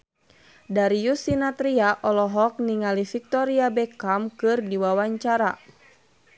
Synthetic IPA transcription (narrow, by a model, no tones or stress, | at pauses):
daɾijusinat̪ɾiaʔɔlɔɦɔk̚niŋalifik̚t̪ɔɾiabɛkamkɨrdiwawaɲt͡ʃaɾa